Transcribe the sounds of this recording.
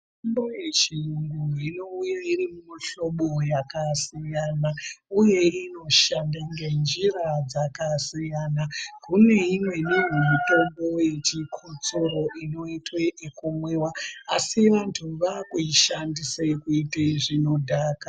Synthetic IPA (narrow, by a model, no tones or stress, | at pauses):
mtomboje̞t͡ʃiŋɡuino̞ujairimumaɬo̞ɓo̞jakasijanauje̞ino̞ʃandaŋɡe̞nd͡ʒiɾad͡zakasijanakune̞imwe̞niwemito̞mbo̞je̞t͡ʃikʰut͡soɾo̞ʔino̞itwe̞ʔːkumwe̞ːwaasiʋantʰuʋakuiʃandisekuiteʐino̞dʱaːka